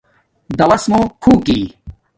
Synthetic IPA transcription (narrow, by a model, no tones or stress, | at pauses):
d̪ɐwɐsmoːkʰuːkiː